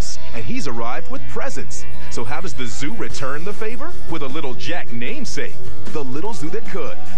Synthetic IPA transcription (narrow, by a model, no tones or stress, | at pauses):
ɨ̃nizə˞aɪvd̚wɨð̥pʰɹ̥ɛzɨ̃nsː | oʊɦaʊdʌzðɨzʉɹɨtʰɜ̃˞nðəfeɪvə˞wɨðəlɪɾl̩ˠd͡ʒæk̚nẽɪ̃mseɪk | ðəlɪɾl̩ˠzʉðɨt̚kʰʊd̥